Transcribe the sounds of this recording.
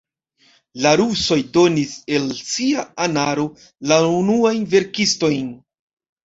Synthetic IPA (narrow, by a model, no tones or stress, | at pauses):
laɾuso̞jdo̞nise̞lsiaanaɾo̞ | launuajnve̞ɾkisto̞jn